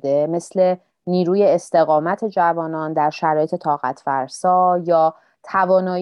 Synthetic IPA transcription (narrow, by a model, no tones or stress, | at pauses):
d̪e̞me̞sle̞ | niːɾuːje̞ːst̪e̞ɣɒːmæt̪ʰe̞d͡ʒævɒːnɒːnd̪æɾʃæɾɒːje̞t̪et̪ʰɒːɣæt̪ʰfæ̰ɾsɒːjɒː | t̪ʰævɒːnɒː